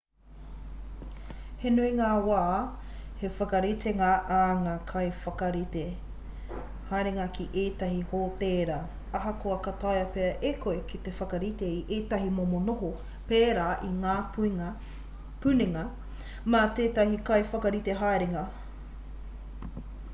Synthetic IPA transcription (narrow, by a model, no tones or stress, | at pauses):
henuiŋaːwaːhefɐkɐɾit̪eŋɐʔːŋaːkʰɐjfɐkɐɾite | hajɾeŋɐkʰiʔeːtɐɦihoːteːɾɐ | ɐɦɐkoɐkɐtajɐpeɐʔekoekʰit̪efɐkɐɾit̪eiʔeːtɐɦimomonoɦo | peːɾaːʔiŋaː | pʉniŋɐ | mɐt̪eːtɐɦikɐjfɐkɐɾiteɦajɾeŋɐ